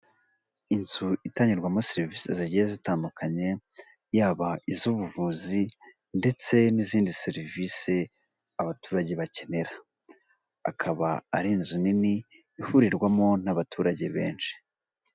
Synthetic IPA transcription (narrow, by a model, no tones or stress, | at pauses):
inzuitaːɲiɾɡwamo̞seɾviːseziɟijezitaːndukʰaɲe̞ | jaːβaizuːβuvuːzi | nde̞t͡se̞niziːndise̞ɾivise̞ | aβatuːɾaɟe̞βace̞ne̞ɾa | a̰kʰaβaːɾinzuniniː | huɾiɾɡwamo̞naβatʰuːɾaɟe̞βe̞ːnʃi̥